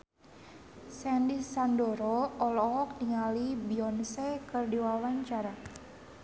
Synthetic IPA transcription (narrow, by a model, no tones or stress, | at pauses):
sɛndisandoɾɔɔlɔk̚niŋalibiɔnsekɨrdiwawaɲt͡ʃaɾa